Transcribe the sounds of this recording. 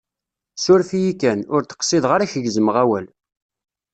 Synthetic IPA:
sʊɾfijikænʊɾt̪ə̥qsɪðʁaɾæçəʝzəməʁæwæl

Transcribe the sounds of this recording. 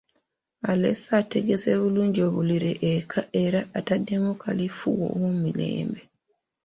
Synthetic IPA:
alḛsateɡeseβuluːɲɟo̞ːβuliɾeʔːkʰaeɾaʔːtadːemukʰalifuwo̰wumilḛːmbe

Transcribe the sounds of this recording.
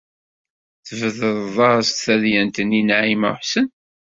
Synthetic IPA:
θəvəðəððˤɑɾˤst̪θæðjænt̪əninʕimə̰ħsən

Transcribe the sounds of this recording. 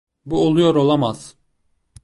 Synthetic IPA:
buolˠujoɾo̞lˠamaz̥

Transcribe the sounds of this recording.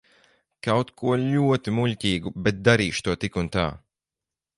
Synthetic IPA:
kawt̪kʰuɔʎuɔt̪imuʎʲcʲiːɡubɛt̪̚d̪aɾiːʃt̪uɔt̪ikunt̪a̰ː

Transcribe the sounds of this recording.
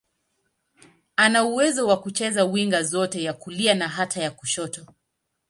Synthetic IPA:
anauwɛzɔwakut͡ʃɛzawiŋɡazɔtɛjakulianaɦatʰajakuʃɔtɔ

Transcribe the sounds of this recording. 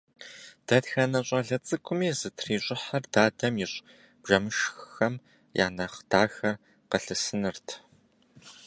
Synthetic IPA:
d̥ɐtxɐnɐɕʼɐɮɐt͡sʼɨkʷʼʊmiːzɨtʰriːɕʷʼɪħɐrdaːdɐmjɪɕʼ | b̥ʒɐmɨʃxɨxɐm | ja̰ːnɐχd̥aːxɐr | qəɬɨsɨnɨrtʰ

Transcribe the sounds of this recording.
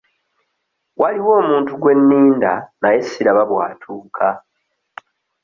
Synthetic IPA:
wʔaliwo̞ːmuːntuɡwe̞nːiːnda̰naje̞sːiɾaβaβwa̰ːtʰuːkʰa

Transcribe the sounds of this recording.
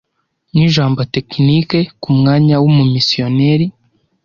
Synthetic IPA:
niʒaːmbotekinikekumŋaːɲawumumisio̞neɾi

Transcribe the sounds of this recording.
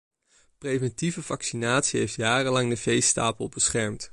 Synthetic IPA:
prejvɛntivəvɑksinaːtsiɦejftjaːrəlɑŋdəvejsta̰ːpəlˠbəsχɛɹmt

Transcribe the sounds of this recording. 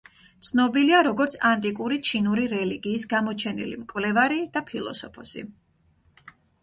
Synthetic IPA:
t̪sʰnɔbiliaɾɔɡɔɾt̪sʰant̪ʼikʼuɾit͡ʃʰinuɾiɾɛliɡiːsɡamɔt͡ʃʰɛnḭlḭmkʼvlɛvaɾid̪̥apʰilˠɔ̰sɔ̰pʰɔsḭ

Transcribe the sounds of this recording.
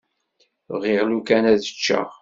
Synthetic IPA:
ʁɪʁlukænæðə̥t͡ʃːə̰ʁ

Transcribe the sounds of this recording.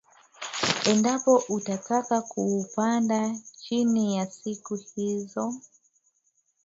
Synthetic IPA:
ɛndapɔʔutatakakuːpandat͡ʃinijasikuhizɔ

